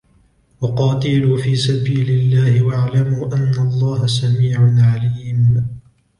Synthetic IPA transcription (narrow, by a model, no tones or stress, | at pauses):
wɑqɑːt̪ɪluːfiːsabiːlɪlːaːhɪwaʕlamuːʔanːalˤːɑːhasamiːʕʊnʕaliːm